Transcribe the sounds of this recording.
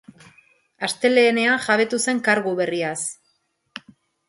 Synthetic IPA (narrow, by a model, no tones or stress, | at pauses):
ast̪e̞le̞ːne̞aʝaβe̞t̪use̞ŋkaɾɣuβe̞rias